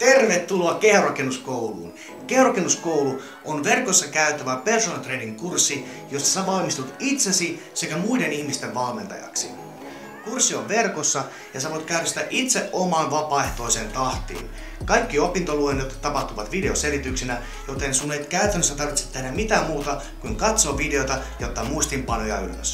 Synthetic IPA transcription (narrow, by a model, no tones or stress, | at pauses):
t̪erʋet̪ːuloɑkehrɑkenːuskoulṵːn | kehrokenːuskowlu | ʔonʋerkosːɑkæyt̪æʋæpersonɑt̪reːniŋkursːi | jost̪ɑ̥sæʋɑlmist̪ut̪it̪sesi | sekæmuidenihmist̪eʋʋɑlment̪ɑ̰jɑ̰ksḭ | kursːioʋʋerkosːɑ | jɑsɑʋoit̪kæyɾæst̪æʔit̪seʔomɑːnʋɑpɑːeht̪o̞isent̪ɑht̪ḭːn | kɑikːiopint̪oluenːot̪t̪ːɑpɑht̪uʋɑt̪ʋide̞oselit̪yksinæ | jot̪ensuːet̪kæyt̪ˑænːøst̪æt̪ɑrʋit̪se̥t̪ːedæmit̪æːmuːt̪ɑ | kuiŋkɑt̪soːʋideot̪ɑjot̪ːɑmuist̪impɑnojɑ̰y̰lːø̰s